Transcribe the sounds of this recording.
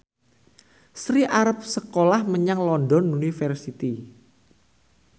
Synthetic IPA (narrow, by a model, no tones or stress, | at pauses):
sɾiʔaɾəp̚səkolahməɲaŋlɔnɖɔnunifərsit̪i